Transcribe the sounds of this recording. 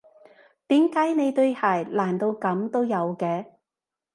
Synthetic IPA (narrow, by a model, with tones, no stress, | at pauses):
t̪iː˨˥mkaː˨˥jne˨˧jt̪ɵ˧ɥhaː˨˩jlaː˨˩nt̪o˧wkɐ˨˥mt̪o˥wjɐ˨˧wkɛː˧